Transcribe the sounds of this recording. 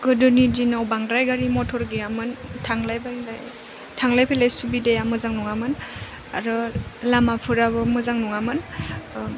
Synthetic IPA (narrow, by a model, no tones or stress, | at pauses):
ɡ̥ɯdɯnidinawbaŋɾajɡaɾimɔtʰɔɾɡejamɯntʰaŋlajbalaj | tʰaŋlajpʰalajsubidejamɯzaŋnuŋamɯn | a̰ɾɯlamapʰɯɾaβɯmɯzaŋnuŋamɯn